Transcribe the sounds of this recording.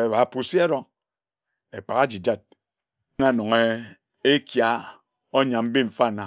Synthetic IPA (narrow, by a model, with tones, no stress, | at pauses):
e˨βa˨pu˨si˦a˦ɾɔ˦ŋ | e˨k͡pa˨ɣa˦d͡ʒi˨d͡ʒa˦˨d̚ | ŋa˦˨no˨ŋe˦ | e˦kja˨ | o˦ɲa˨m̩˦bi˦ɱ̩˨fa˦˨na˨